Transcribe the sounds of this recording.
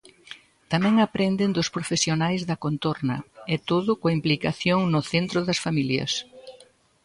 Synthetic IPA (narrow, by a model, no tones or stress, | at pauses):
t̪amɛ̃ŋapɾend̪ɪnd̪ʊspɾofesjonajzðɐkont̪oɾnɐ̰ɛt̪oðʊkoɐimplikaθjoŋnʊθent̪ɾʊðɐsfamiljɐ̰s